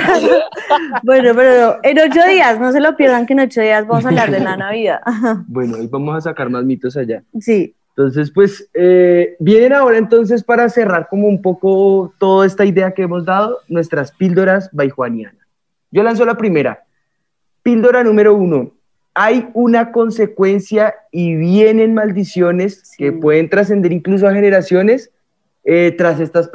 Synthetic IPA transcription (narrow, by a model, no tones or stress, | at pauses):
bwe̞nope̞ɾooeno̞t͡ʃoðiasno̞s̬e̞lopjeɾdaŋkenot͡ʃoðiazbamos̬aβlaɾd̪enanaβiða̰bwe̞noojbamosas̬akaɾmazmit̪o̞s̬aʝasient̪o̞ns̬e̞spwe̞sebje̞ne̞nao̞ɾae̞nt̪o̞ns̬e̞spaɾase̞raɾko̞mo̞umpo̞ko̞t̪o̞ðoe̞st̪aiðe̞ake̞emo̞zd̪að̞o̞nwe̞st̪ɾaspild̪o̞ɾazbajxwanjana | d͡ʒo̞lans̬o̞lapɾime̞ɾa̰ | pild̪o̞ɾanũme̞ɾo̞uno̞ | ajunako̞nse̞kwe̞nsjaiβje̞ne̞nmald̪isjo̞ne̞s | ke̞pwe̞ð̞e̞nt̪ɾas̬e̞nd̪eɾiŋklus̬o̞axe̞ne̞ɾasjo̞ne̞s | et̪ɾase̞st̪as